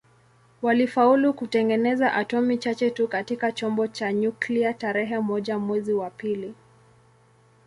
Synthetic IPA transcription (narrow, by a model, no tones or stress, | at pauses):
walifaulukutɛŋɡɛnɛzaʔatɔmit͡ʃat͡ʃɛtukatikat͡ʃɔmbɔt͡ʃaɲukliataɾɛɦɛmɔʄamwɛziwapili